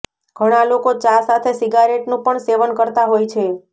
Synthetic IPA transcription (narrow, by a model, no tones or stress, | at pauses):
ɡ̥ʱəɽ̃alokot͡ʃasat̪ʰesiɡaɾeʈnũpəɳseʋənkəɾt̪aɦojt͡ʃʰe